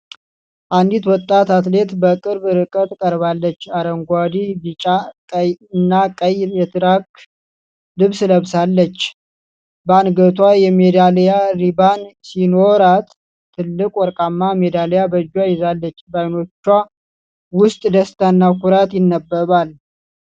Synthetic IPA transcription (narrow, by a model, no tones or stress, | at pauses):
ʔand̪it̪wɔt̪ʼːat̪at̪le̞t̪bəkʼɨɾbɨɾɨkʼət̪kʼəɾβalːət͡ʃːaɾəŋɡʷad̪ibɨt͡ʃʼakʼəɨnːakʼəjmjɛt̪ʰɨɾak | lɨβsɨləβsalːət͡ʃː | banɡət̪ʰwajɛmed̪aljaɾibansinoɾat̪ʰː | ɨlːɨkʼwɔɾkʼamːamed̪alejabəd͡ʒwajɪzalːət͡ʃːbajno̞t͡ʃːwa | wʊst̪ʼd̪əst̪ʰanːakuɾat̪jɪnːəbːəβal